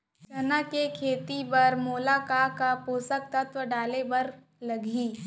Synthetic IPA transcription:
ʃɐnakekʰeːt̪ibɐɾmoːlaːkaːkapoːsək̚t̪ɐt̪wəɖaːlebɐɾ | lɐɡʱiː

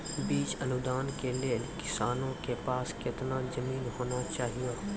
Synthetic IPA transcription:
biːt͡ʃɐnʊd̪aːnkelekɪ̥saːnõkepaːskɪt̪nazɐmiːnɦoːnat͡ʃaːɦie

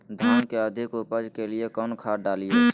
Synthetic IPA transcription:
d̪ʱaːnkeəd̪ʱɪkupəd͡ʒkeliekɔnkʰaːɖalije

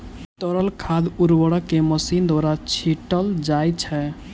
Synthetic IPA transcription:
t̪əɾəlkʰad̪uɾwəɽəkːeməsind̪waɾat͡ʃʰiʈəld͡ʒajt͡ʃʰɛ

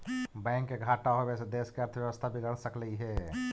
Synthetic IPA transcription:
bɛ̃ːŋkːeɡʱaːʈaɦoʋɛːsed̪eːskeɐɾt̪ʰəʋjəʋəst̪ʰabʱiɡɐɽsɐkləiɦɛː

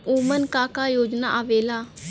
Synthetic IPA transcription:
uːmənkaːkajoːd͡ʒnaʔaʋeːlaː

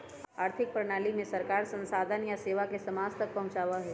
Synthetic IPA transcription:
aːɾt̪ʰɪk̚pɾɳ̃aːlimẽsɐɾkaːɾsɐ̃nsaːd̪ʱənjaseːʋakesɐmaːd͡ʒt̪ɐk̚pɐɦʊ̃t͡ʃaːʋaɦɛː

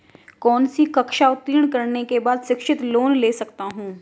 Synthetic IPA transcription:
kɔːnsikɐkʃaʊt̪ːiːəɳ̃kəɾnekebaːd̪ʃɪkʃɪt̪loːnleːsɐkt̪aɦũː

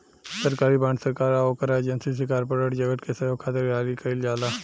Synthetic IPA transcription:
səɾkaːɾibãːɳsəɾkaːɾaoːkəɾaed͡ʒənsis̬ekaːɾpəɾəʈd͡ʒəɡəʈ̪̚kesɐjoːkʰaːt̪eɾʋaːlikəɪld͡ʒaːlaː

